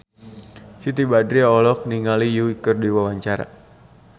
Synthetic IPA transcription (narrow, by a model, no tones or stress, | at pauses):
sit̪ibadɾiɔlɔk̚niŋalijuikərdiwawaɲt͡ʃaɾa̰